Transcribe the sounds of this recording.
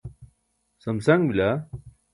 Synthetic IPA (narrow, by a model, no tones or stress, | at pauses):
sɐmsɐŋbila